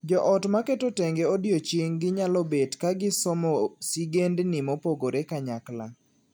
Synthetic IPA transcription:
d͡ʒɔʔɔtmaketoteŋɡeodjot͡ʃiŋɡɪɲalɔbedkaɡɪsɔmɔsiɡendnɪmopoɡoɾekaɲakla̰

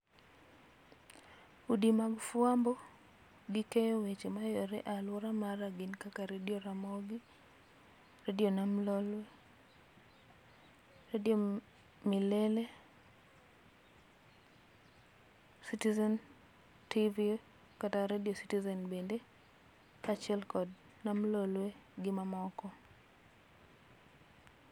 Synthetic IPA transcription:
udimaɡfuambɔ | ɡikejɔwet͡ʃemajɔɾɛʔalwɔɾamaɾaɡɪnkakaɾedioɾamɔɡi | redionamlɔlwɛ | redio | milele | sitizɛn | tivi | kataɾediositizɛnbende | kat͡ʃɪɛlkɔd | namlolweɡɪmamɔkɔ

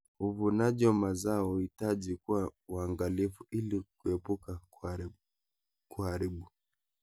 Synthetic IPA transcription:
uvunaʄɔmazaɔitaʄikuwauaŋɡalifuʔilikuɛpuka | kuhaɾiɓu

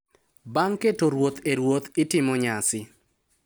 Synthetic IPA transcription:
baŋketoɾwot̪eɾwot̪ɪtɪmɔɲasɪ

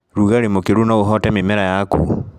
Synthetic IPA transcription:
ɾuɣaɾemokiɾunauɦɔtɛmimɛɾajakṵ

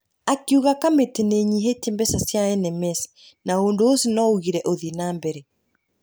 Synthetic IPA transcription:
akiuɣakameteneɲiɦetembɛsasjaɛnɛmɛsi̥ | naondoosinɔuɣiɾɛʔoðinaːmbɛɾɛ

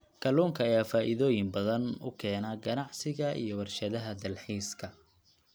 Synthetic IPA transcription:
kʰɐluːŋkʰɐːjaːfaːʔɪðɔːjɪmbɐðɐnʊ̰kʰɛːnaːɡɐnɑʕsɪɣɐʔḭjɔwɐrʃɐðɐɦɐd̪ɐlħiːskʰɐ

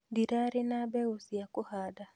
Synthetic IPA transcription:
diɾaɾɪnabɛɣosiakʊhaːda

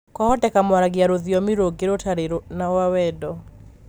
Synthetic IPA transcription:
kɔhɔdɛkamwaɾaɡjaɾoðjɔmiɾoɡeɾotaɾeɾonawawɛdɔ

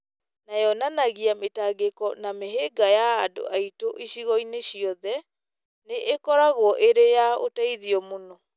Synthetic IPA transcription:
najɔnanaɣiametaɡekɔnameɦeɡajaːdo̰ʔaitoʔiɕiɣɔineɕiɔðɛ | neʔekɔɾaɣwɔʔeɾejao̰taiðiɔmonɔ

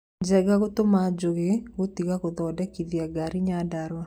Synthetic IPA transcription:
d͡ʒɛɡaɡot̪omad͡ʒoɡɪwot̪iɡakod̪ɔdɛkiðiaɡaɾiɲadaɾwa

